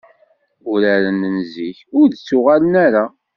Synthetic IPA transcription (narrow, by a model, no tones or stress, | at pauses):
ʊɾaɾənənziçʊɾðt͡sːʊʁalənæɾa